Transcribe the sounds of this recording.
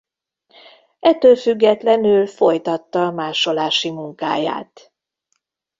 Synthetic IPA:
ɛt̪ːøːlfyɡːɛt̪lɛnylfo̞jt̪ɒt̪ːɒmaːʃo̞laːʃimuŋka̰ːja̰ːt̪

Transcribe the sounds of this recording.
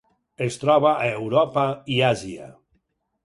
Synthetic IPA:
est̪ɾɔβaʔaewɾɔpaiazia̰

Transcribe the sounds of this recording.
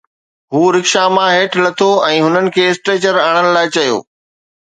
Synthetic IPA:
ɦuːɾɪkʃamãɦeːʈʰlɐt̪ʰoɛ̃ːɦʊnənɪ̆kʰeːɪsʈeːt͡ɕəɾaːɽ̃ənɪ̆laːɪt͡ɕɐjo̰ː

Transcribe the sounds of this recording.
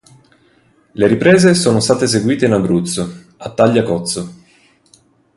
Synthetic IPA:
leɾipɾeːzesoːnost̪aːt̪es̬eɡwiːt̪einabɾut̪so | at̪ːaʎːakɔt̪so

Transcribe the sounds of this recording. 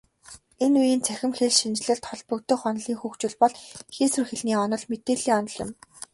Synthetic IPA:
enujiːnt͡sʰæxʲɪ̆mxeɮʃint͡ɕɮɘ̆ɮt̪ʰɔɮpɵ̆k̚t̪ɵ̆χɔnɮiːŋxuːkt͡ɕɪ̆ɮpɔɮxiːsɵrxĕɮniːɔnɞ̆ɮmet̪eːɮiːŋɔnɞ̆ɮjʊ̰̆m

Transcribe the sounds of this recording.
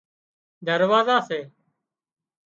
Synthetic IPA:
d̪əɾʋaːzaːseː

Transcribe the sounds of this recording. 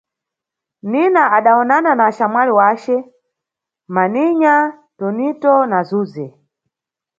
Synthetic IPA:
ninaaɗaɔnananaʃamwaliwaːt͡ʃɛ | maniɲa | tɔnitɔnazuːzɛ

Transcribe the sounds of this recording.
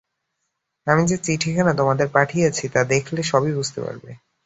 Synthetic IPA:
amid͡ʑet͡ɕiʈʰikʰanat̪omad̪eɾpaʈʰijat͡ɕʰit̪ad̪ekʰleʃɔbibud͡ʑʱt̪ḛpa̰ɾbḛ

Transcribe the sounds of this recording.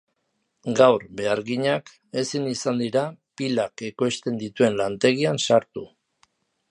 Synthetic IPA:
ɡawɾbe̞aɾɣiɲak | e̞sinisand̪iɾapilake̞ko̞jst̪e̞nd̪it̪ue̞nlant̪e̞ɣ̞iansaɾt̪u

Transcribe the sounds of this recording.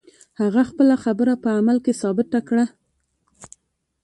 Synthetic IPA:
haɣaxpəlaxabəɾapəamalkesɑbɪt̪akɽa

